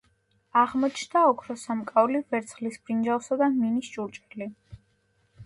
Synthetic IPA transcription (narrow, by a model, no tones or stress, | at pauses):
aʁmɔt͡ʃʰnd̪aɔkʰɾɔsamkʼaulivɛɾt̪sʰχlisb̥ɾind͡ʒalsad̪aminist͡ʃʼuɾt͡ʃʼɛli